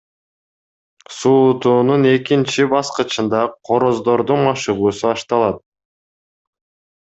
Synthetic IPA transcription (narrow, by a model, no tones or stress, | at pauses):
suːt̪uːnune̞kint͡ʃibɑsqɯt͡ʃɯnd̪ɑqʰo̞ɾo̞zd̪o̞ɾd̪unmɑʃɯʁuːsuɑʃt̪ɑlˠɑt̪̚